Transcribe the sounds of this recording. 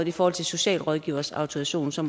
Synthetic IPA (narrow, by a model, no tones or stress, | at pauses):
ð̩ˠifɒːhɒ̰t͡sʰe̝lso̝ɕɛ̰ːlʁɒð̞ˠɡ̥ḭːʊ̰ɐsɑ̈ʊt͡sʰuæɕo̝̰ːnsɒ̽m